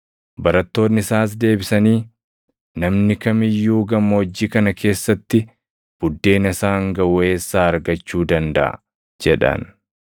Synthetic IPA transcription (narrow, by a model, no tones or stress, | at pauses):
bɐɾɐt̪ːo̞ːnːɪsaːs̬d̪e̞ːbɪsɐniː | nɐmnɪkɐmɪjːuːɡɐmːɐwɔd͡ʒːiːkɐnɐkʰe̞ːsːɐt̪ːɪ | b̥ʊd̪ːe̞ːnɐsaːŋɡɐwɔe̞ːsːaːɐɾɡɐt͡ʃːuːd̪ɐnd̪ɐ̰ʔɐ̰ | d͡ʒɛᶑɐ̰n